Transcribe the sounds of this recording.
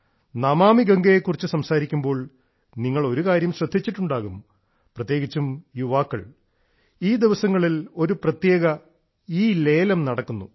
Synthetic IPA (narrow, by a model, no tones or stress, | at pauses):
nɐmaːmiɡɐŋɡɐjekːurit͡ɕːusɐmsaːɾikʲːumbo̞ːɭ | niŋːɐɭo̞ɾukaːɾjɐmɕrɐd̪ʱːit͡ɕːiʈːuɳɖaːɣum | prɐt̪jeːɣit͡ɕːumjuʋaːkːɐ̰ɭ | iːd̪iʋɐsɐŋːɐɭilo̞ɾuprɐt̪je̞ːɣɐ | iːle̞ːlɐmnɐɽɐkːunːṵ